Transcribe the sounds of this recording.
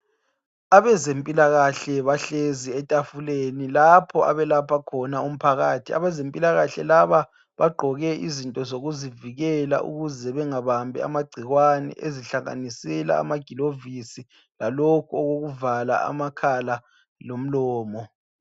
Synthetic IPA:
aβɛzempʼilaɣaɬɛβaɬeziɛtʼafulenilapʰɔa̰βɛlapʰakʰɔnaum̩pʰaɣaːtʰia̰βɛzempʼilaɣaɬɛlaβa | βaɡ͡ǃʱɔɣɛʔizintʼɔzoɣuziviɣɛla̰ʔṵɣuzɛβɛŋaβambʱɛ̰a̰maɡ͡ǀʱiɣwanɛ̰ʔeziɬaŋa̰nisɛla̰ːmaɡ̥ʱilovisi | lalokʰuɔɣoɣuvala̰a̰makʰala | lom̩lɔːmɔ

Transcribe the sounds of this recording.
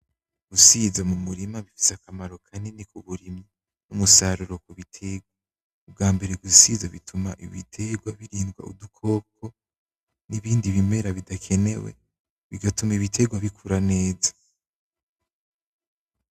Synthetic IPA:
ɡ̥usizamumuɾimaβifi̥sakamaɾo̞kʰanenikuβuɾima | numusaɾuɾo̞kuβitʰe̞ɡwa | ub̚ɡaːmbe̞ɾeɡusizaβḭtʰumaʔḭβitʰe̞ɡwaβiɾiːŋɡwa̰ṵdukʰo̞ːkʰo̞ | niβiːndiβime̞ɾaβidakʰe̞ne̞̰wḛ | βiɡatumiβitʰe̞ɡwaβikʰuɾane̞ːza

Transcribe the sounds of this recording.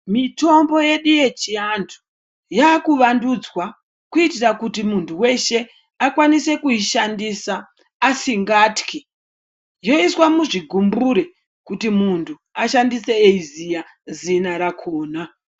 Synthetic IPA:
mito̞mbo̞je̞ɗuje̞t͡ʃiandu̥ | jaːkuʋandud͡zwa | kuitirakutimuntʰuwe̞ʃe̞ | akwanise̞kuiʃandisaː | siŋɡaːtki | jo̞iswamuʐiɡʱumbuɾe | kutimuntʰu | aʃandise̞eizija | zinaɾakʰoːna

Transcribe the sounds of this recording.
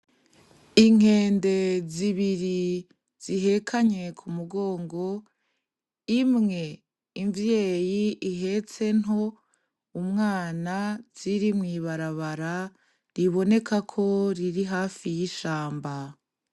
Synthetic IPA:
iŋ̥e̞ːnde̞ziβiɾi | z̥iɦe̞kʰaɲe̞kʰumuɡo̞ːŋɡo̞ | imŋe̞ | iɱvjeːjiʔiɦe̞t͡se̞nɦo̞ | umŋaːnaz̥iɾimŋiːβaɾaβaɾa | ɾiβo̞ne̞kʰakʰo̞ɾiɾiɦaːfijiʃaːmba

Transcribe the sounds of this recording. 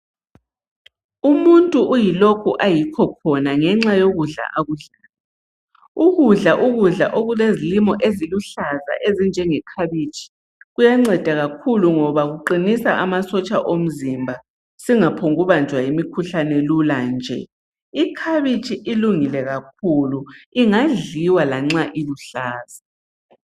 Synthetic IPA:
umuntʼuʔːjilokʰuʔajikʰɔkʰɔnaŋɛŋ͡ǁajoɣuɮa̰ʔaɣuɮaːla | uɣuɮaʔuɣuɮa̰ʔoɣulezilimɔʔeziluɬaza̰ʔezind͡ʒʱɛŋɛkʰaβit͡ʃʰʼi̥ | ɣujaŋ͡ǀɛd̥ʱaɣakʰuluŋɔβaɣuǃinisaʔamasɔt͡ʃʼaʔom̩zimbʱa | siŋapʰɔŋɣuβand͡ʒʱwaimikʰuɬanɛluland͡ʒʱɛ̰ | ikʰaβit͡ʃʰʼiʔiluŋilɛɣak̚ʰuluiŋaɮiwalaŋ͡ǁaʔiluɬaːza

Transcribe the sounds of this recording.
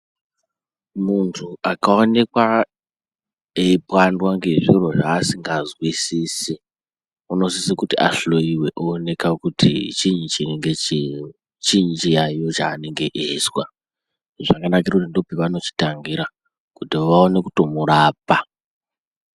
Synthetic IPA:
muntʰuakaone̞kwa | eipwandwaŋɡe̞ʐiro̞ʐaːsiŋɡazwisisi | uno̞sisikutia̰ɬo̞iwe̞ʔoːne̞kakutʰḭt͡ʃiɲit͡ʃieŋɡe | t͡ʃiɲnd͡ʒijajo̞t͡ʃa̰ːne̞ŋɡe̞ʔeswa | ʐakanak̬iɾakutindo̞piʋano̞t͡ʃi̥taŋɡiɾa | kutiʋaone̞kuto̞muɾaːpa

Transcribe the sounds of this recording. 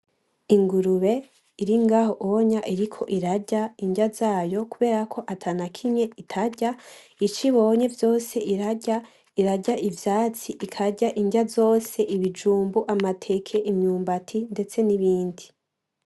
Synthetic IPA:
iŋɡuɾuβe̞ | iɾiŋɡaːɦo̞ʔoɲaʔiɾikʰo̞̰ʔiɾaɟaiɲɟazaːjo̞kuβe̞ːɾakʰo̞ʔatʰanakʰiɲe̞itʰaɟa | it͡ʃiβo̞ɲe̞vjo̞ːse̞ʔiɾaɟa | iɾaɟaʔivjaːt͡siʔikʰaɟaʔiɲɟazo̞ːse̞ʔiβid͡ʒuːmbuʔamatʰe̞kʰe̞ʔimɲuːmbatʰinde̞t͡se̞niβiːndi

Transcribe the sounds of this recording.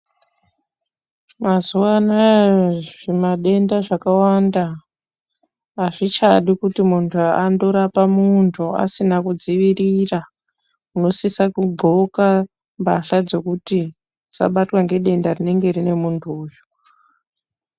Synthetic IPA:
mazuwana | ʐemaɗe̞ndaʐakawanda | aʐit͡ʃaɗikutimuntʰuando̞ɾapamuntʰua̰sinakud͡ziʋirira | uno̞sisakuɡʱoka | mbaɬad͡zo̞kuti | d͡za̰ɓatwaŋɡe̞ɗe̞ndarine̞ŋɡe̞rine̞muntʰuːjo

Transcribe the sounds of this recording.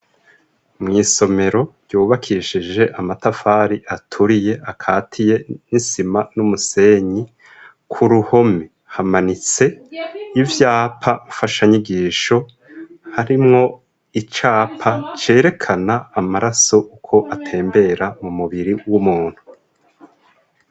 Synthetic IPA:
mŋiːso̞me̞ɾo̞ɾjuːβakʰiʃid͡ʒe̞ʔamatafaːɾiʔatʰuɾije̞ʔakʰaːtʰije̞nisimanumuse̞ɲi | kʰuɾuho̞me | hamanit͡se̞ivjaːpʰaufaʃaɲiɡiːʃo̞ | haɾimŋo̞ | it͡ʃaːpʰat͡ʃe̞ːɾe̞kʰanaːmaɾaso̞ʔukʰo̞ʔatʰe̞ːmbe̞ɾamumuβiɾiwumuːn̥hu

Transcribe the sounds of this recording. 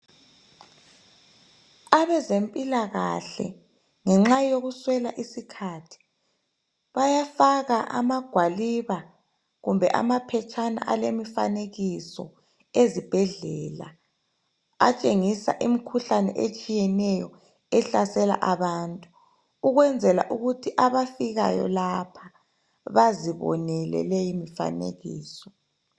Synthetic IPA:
aβɛzempʼilaɣa̰ɬɛ̰ | ŋɛŋ͡ǁajoɣuswɛlaʔisikʰatʰi̥ | βajafaɣaʔa̰maɡ̥ʱwaliβa | ɣumbʱɛ̰ʔa̰mapʰɛt͡ʃʰʼana̰ʔalemifa̰neɣisɔ̰ | ezib̥ʱɛɮɛːla | at͡ʃʼeŋisa̰ʔimikʰuɬanɛ̰ʔet͡ʃʼijɛnɛjɔ | ɛɬasɛla̰ʔaβaːntʼu | uɣwɛnd͡zʱɛla̰ʔuɣutʰiʔaβafiɣa̰jɔ̰lapʰḁ | βaziβɔ̰nɛlɛ̰lejimifa̰nḛɣḭːsɔ̥

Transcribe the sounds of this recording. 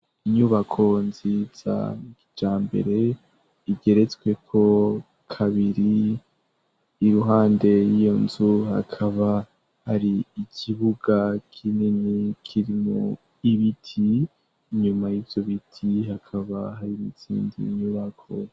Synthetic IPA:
iɲuβakʰo̞nziz̥a̰id͡ʒaːmbe̞̰ɾe̞ | iɡe̞ɾe̞t͡swe̞kʰo̞ | kʰaβiɾi | ɾuɦaːnde̞jijo̞nzuha̰kʰaβa | haɾiːkʰiβuɡakʰininikʰiɾimṵ | iβitʰiː | ɲumajiːvjo̞βitʰiɦakʰaβahaɾimut͡sḭːndḭɲuβakʰo̰i

